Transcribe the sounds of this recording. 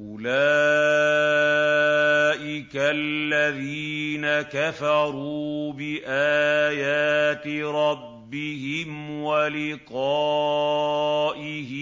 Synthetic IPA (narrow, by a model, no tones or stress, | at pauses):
ʔʊlaː | ʔɪkalːaðiːnakafɑɾˤuːbɪʔaːjaːt̪ɪɾˤɑbːɪhɪmwalɪqɑ | ʔɪhɪ